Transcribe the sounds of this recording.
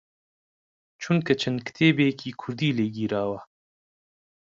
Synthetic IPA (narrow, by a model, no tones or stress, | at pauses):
t͡ʃʰunkɐt͡ʃʰɐnkɨ̥t̪ʰeːbeːkʰiːkʰʊɾd̪iːleːɡiːɾaːwɐ